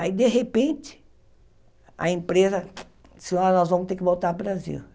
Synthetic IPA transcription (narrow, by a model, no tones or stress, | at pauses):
aid̪eɦepẽnt͡ʃ̪ɪ̥ | ɐ̰ẽmpɾezɐ | i̥sɪɔnɔzvɐ̃mʊst̪ekɪvowt̪aɾbɾazḭw